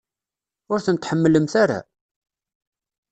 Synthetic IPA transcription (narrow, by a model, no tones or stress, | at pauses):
ʊɾθəmt̪ħəmːəlːəmθaɾa̰